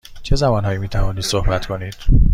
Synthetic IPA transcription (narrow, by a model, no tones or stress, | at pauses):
t͡ʃʰe̞zæmɒːnɦɒːjiːmiːt̪ʰævɒːniːd̪̥sohbæt̪kʰo̞niːd̪̥